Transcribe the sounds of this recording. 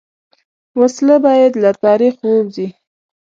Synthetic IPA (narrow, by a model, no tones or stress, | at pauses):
waslabɑjad̪lat̪ɑɾixwəwzi